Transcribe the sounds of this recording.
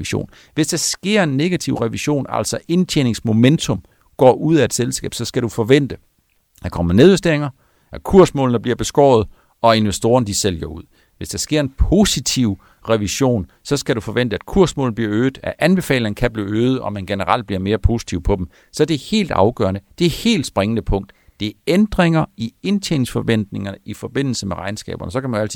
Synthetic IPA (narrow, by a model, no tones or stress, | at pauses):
iɕo̝̰ːn | ʋe̝sd̥ɑ̈sɡ̥e̝ɐ̰e̝nːe̝ɡ̥æt͡sʰiʊʁɛʋiɕo̝̰ːnæ̰l̰sɒ̽ʔe̝nt͡sʰjeːne̝ŋsmo̝ment͡sʰɔ̽m | ɡ̥ɒ̰ːʔuð̰ˠæed̥selsɡ̥ɛ̰ːb̥sɒ̽sɡ̥æɾufɒʋen̰d̥ə | d̥ɑkʰɒ̽m̰ɐneðˠʋesd̥e̝ɐ̰e̝ŋɐ | ækʰuɐsmɔ̰ːln̩əb̥liɐb̥e̝sɡ̥ɒ̰ːð̞̩ˠ | ɒ̽e̝nʋesd̥o̝ːɐnəd̥isel̰jɐuð̰ˠ | ʋe̝sd̥ɑ̈sɡ̥e̝ɐ̰enpʰo̝sit͡sʰiʊ̰ | ʁɛʋiɕo̝̰ːn | sɒ̽sɡ̥æɾufɒ̽ʋen̰d̥əæd̥̚kʰuɐsmɔ̰ːln̩bliɐøːð̥̩ˠæʔænb̥e̝fɛ̰ːlnkʰæb̥liːøːð̩ˠɒ̽mænɡ̥e̝nəʁɑ̈l̰d̥bliɐme̝ːɐpʰo̝si̥t͡sʰiʊpʰɒ̽d̥em | sɒ̽æɐd̥e̝he̝̰ːld̥ɑ̈ʊɡ̥œ̰ɐnəd̥e̝æhe̝̰ːld̥sb̥ʁeŋənəpʰɔ̽ŋ̰d̥ | d̥e̝æɐend̥ʁeŋɐie̝nt͡sʰḛːnsfɒ̽ʋen̰d̥ne̝ŋɐnəifɒ̽b̥e̝n̰l̩səmeʁɑ̈ɪnsɡ̥ɛ̰ːb̥ɐnəs̬ɒ̽kʰæmænæl̰t͡sʰi